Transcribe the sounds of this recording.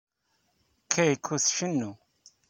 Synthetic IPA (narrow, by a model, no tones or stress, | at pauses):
kʰːæjkʰːuθʃənːu